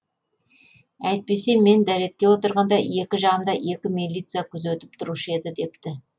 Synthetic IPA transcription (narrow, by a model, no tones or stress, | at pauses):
æjt̪̚pe̞se̞me̞nd̪æɾe̞t̪̚kʲe̞wo̞t̪əɾʁɑnd̪ɑje̞kʲɪʒɑʁəmd̪ɑje̞kʲɪmilʲit̪sɨjakʲʰʏzɵt̪ɪ̥pt̪ʰʊɾuʃəe̞d̪ɪd̪e̞p̚t̪ɪ